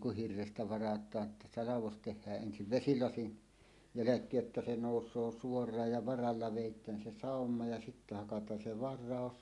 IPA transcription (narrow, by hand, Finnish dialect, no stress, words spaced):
kuh hirːestæ ʋɑrɑtˑɑː tːɑ sɑlɑʋos tehˑæːʔ ʔensiʋ ʋesilɑsin jælækˑeːj jotːɑ se noˑusˑoː suorˑɑːj jɑ ʋɑrɑlːɑ ʋeˑitˑæːn se sɑˑomːɑ jɑ sitːæ hɑkɑtˑɑːn se ʋɑrˑɑˑos